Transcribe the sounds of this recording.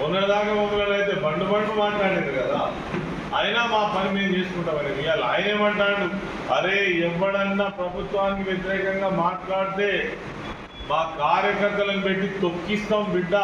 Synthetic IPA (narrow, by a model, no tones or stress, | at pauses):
unːɐɽid̪aːkaːmɐmɐlɐlɐjt̪eːbʱɐɳɖubɐɳkumaːʈlaːɽeːd̪ikɐd̪a̰ː | ɐjnaːmaːpɐnimiːd̪ɐd͡ʒeːsu̥kuɳʈɐmɐɾɐʋijaːla̰ːjɐneːmɐɳʈaːɽu | ɐɾeːɛʋːɐɽɐnːaːpɾɐbʱut̪ʋaːnikiʋjet̪̬iɾɛːkɐŋɡaːmaːʈlaːɽt̪e̞ː | maːkaːɾjɐkɐɾt̪ːɐlɐnupe̞ʈːit̪okːist̪ɐmbiɖːa